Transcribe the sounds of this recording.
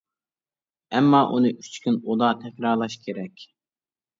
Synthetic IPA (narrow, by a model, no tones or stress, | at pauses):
ɛmːɑːʔunɨʔy̥t͡ʃkʲynod̪ɑt̪ʰɛkʲɾɑɾlˠɑʃkʲʰeɾɛkʲ